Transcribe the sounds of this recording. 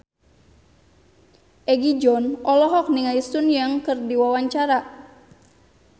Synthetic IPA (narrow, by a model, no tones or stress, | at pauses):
ʔɛɡid͡ʒɔnɔlɔɦɔk̚niŋaist̪unjaŋkɨrdiwawaɲt͡ʃaɾa